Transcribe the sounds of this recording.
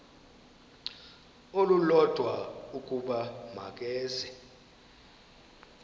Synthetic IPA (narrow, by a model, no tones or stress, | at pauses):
olulɔd̥ʱwaukʼuɓama̰k̬ʼɛːzɛ